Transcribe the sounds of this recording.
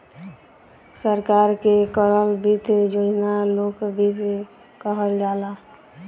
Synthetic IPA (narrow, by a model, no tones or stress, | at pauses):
səɾkaːɾkekəɾəlbʱit̪d͡ʒod͡ʒnaloːkbʱit̪ | kəɦəld͡ʒaːla